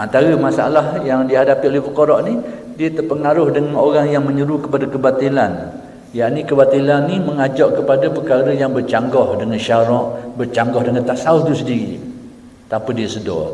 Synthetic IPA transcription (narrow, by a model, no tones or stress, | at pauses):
ʔant̪aɾəmasaa̰lahjaŋdiaɦadapiolɛhpəkoɾɔʔni | diət̪ərpəŋaɾʊhdəŋanoɾaŋjaŋməɲəɾukəpadakəbat̪ilan | jaʔnikəbat̪ilanːiməŋad͡ʒɔʔkəpadapəkaɾəjaŋbərt͡ʃaŋɡɔhdəŋanʃaɾɔʔbərt͡ʃaŋɡɔhdəŋant̪aʔsaʊht̪usədiɣi | t̪apədiəsədɔ̰